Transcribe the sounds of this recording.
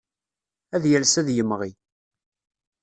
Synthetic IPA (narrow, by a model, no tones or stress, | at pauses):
æðjælsæðjəmʁi